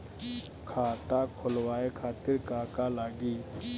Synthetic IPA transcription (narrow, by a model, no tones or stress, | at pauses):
kʰaːt̪aːkʰʊlwaːekʰaːt̪ɪɾkaːkaːlaːɡiː